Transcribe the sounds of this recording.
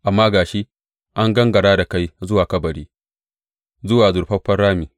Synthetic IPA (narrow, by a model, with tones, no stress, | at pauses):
ʔa˨mːaː˦ɡaː˨ʃi˦ | ʔa˦ŋɡɐ˦ŋɡɐ˨ɽaː˦da˨ka˦jzʊ˦waː˨kɐ˦bɐ˨ɽiː˦ | zʊ˦waː˨zʊ˨ɾɸɐ˦ɸɐ˦rɽaː˦miː˨